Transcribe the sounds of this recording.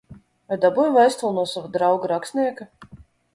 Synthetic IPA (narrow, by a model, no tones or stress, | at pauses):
vajd̪abujvajst̪ulˠnuɔsavad̪ɾawɡaɾaksʲnʲiɛka